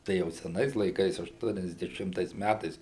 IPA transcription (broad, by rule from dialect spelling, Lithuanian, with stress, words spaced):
ˈtɐɪ jɛʊ sʲɛˈnɐɪs lˠɐɪˈkɐɪs ɐʃˌtuɔnʲɛzʲdʲɛˈʃʲɪmtɐɪs ˈmʲætɐɪs